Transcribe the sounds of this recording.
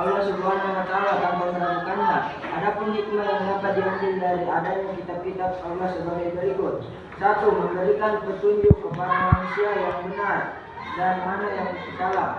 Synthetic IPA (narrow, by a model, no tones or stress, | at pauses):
aulasəluanɲalat̪alaɡambalməɾamakanla | adapʊnɦit̪laaŋɡampat̪̚dianbɪldaɾiadaɲakit̪ap̚kit̪ap̚paulasəbaɡajbəɾikʊt̪̚ | sat̪uməmbəɾikanpərt̪uɲd͡ʒukəpadamanusiajaŋbənar | danmanajaŋpəsit̪ala